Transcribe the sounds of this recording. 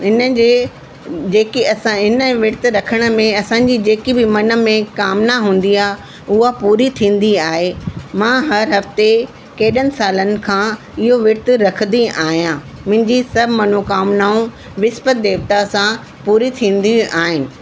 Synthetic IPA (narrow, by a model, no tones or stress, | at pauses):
ɪnəe | d͡ʑeːkiɐsãɦɪnə̆ʋɪɾt̪ɪ̆ɾɐkʰəɽ̃ə̆mẽɐsãɲd͡ʑid͡ʑeːkibɪmɐnə̆mẽkaːmnaɦũːnd̪iaːɦ | ʊɦapuːɾit̪ʰĩːn̆d̪iaːɦemãːɦɐɾɦɐft̪e | keːɗənɪ̆saːlənɪ̆kʰãː | ɪɦoʋɪɾt̪ɾɐkʰə̃d̪iʔaːɦijãː | mʊ̃ɦɪ̃ɲd͡ʑisɐbʱmɐnokaːmnaːũ | ʋɪspət̪̚d̪eːʋt̪asã | puːɾit̪ʰĩːn̆d̪ijũʔaːɦɪnɪ̆